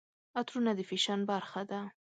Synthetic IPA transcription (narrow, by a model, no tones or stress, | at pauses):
at̪ɾunad̪əfiʃanbaɾxad̪a